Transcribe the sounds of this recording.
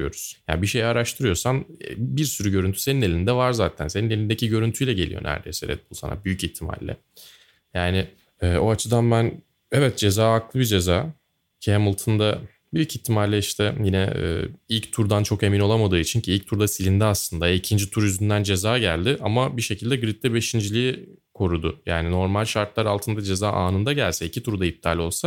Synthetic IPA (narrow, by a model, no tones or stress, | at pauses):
jo̞̰ɾuz̥ja̰nbiʃe̞jaɾaʃt̪ʰɯɾɯjo̞ɾsamɛbiɾsyɾyɟøɾynt̪ʰyse̞ninelʲind̪ɛvaɾzaːt̪ʰænsenine̞lʲind̪e̞cʰiɟø̞ɾynt̪ʰyjlʲɛɟe̞lʲḭjo̞̰nʔæ̰ɾd̪ejsɛɾɛ̰t̪̚bulˠsa̰na̰byjyciht̪ʰːima̰lʲːɛ̰ | jaːnɪ | ɛːo̞at͡ʃʰɯd̪anbæn | evɛt̪̚d͡ʒe̞zaːaklˠɯbid͡ʒe̞zaː | cʰɛmulˠt̪ʰɯnd̪a | byjyciht̪ʰːimalʲːɛiʃt̪ʰɛjinɛ̰ɛ̰ːilʲct̪ʰuɾd̪ant͡ʃʰo̞ke̞mino̞lˠamad̪ɯːit͡ʃʰincʰiilʲc̚t̪ʰuɾd̪asilʲind̪ɛaslˠɯnd̪aicʰind͡ʒit̪ʰuɾyznd̪ænd͡ʒe̞zaːɟælʲd̪ɪʔamabiʃe̞cʰilʲd̪ɛɡɾit̪̚lːɛbe̞ʃind͡ʒilʲiji | kʰo̞ɾud̪ʊjaːnɪno̞ɾmalʲʃaɾt̪lˠaɾalˠt̪ʰɯnd̪ad͡ʒe̞zaːʔaːnɯnd̪aɟælʲsɛicʰit̪ʰuɾd̪aip̚t̪ʰaːlʲo̞lˠsa